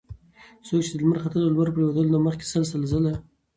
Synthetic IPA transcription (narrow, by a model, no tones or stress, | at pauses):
sok̚t͡ʃed̪əlməɾχat̪əlolwaɾpɾewad̪əlonaməχkʲe̥salsalzəla